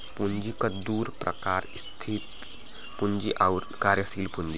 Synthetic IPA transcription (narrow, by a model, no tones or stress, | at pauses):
puɲd͡ʒikɐd̪uːɾpɾʔɐ̰kaːɾst̪ʰit̪ | puɲd͡ʒiʔawɾkaːɾjəsiːlpuɲd͡ʒi